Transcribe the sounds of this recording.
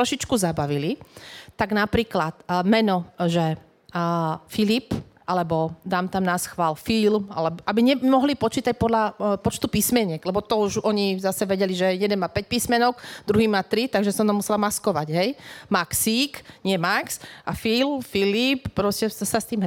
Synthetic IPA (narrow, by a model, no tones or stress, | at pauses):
ɾɔʃit͡ʃkuzabaʋilit̪aɡnapɾiːklat̪mɛnɔʒɛ | filip | ʔalɛbɔd̪aːmt̪amnasxʋaːlfilma̰lɛbɔʔabiɲɛmɔɦlipɔt͡ʃiːt̪ac̚pɔd̪ʎapɔt͡ʃt̪upismɛɲɛɡlɛbɔt̪ɔuʒɔɲizasɛʋɛɟɛliʒɛjɛd̪ɛnmapɛc̚piːsmɛnɔɡd̪ɾuɦiːmat̪ɾit̪aɡʒɛsɔt̪amusɛlamaskɔʋaɟɦɛjmaksiːkɲɪɛmaksafilmfilippːɾɔscɛsast̪iːm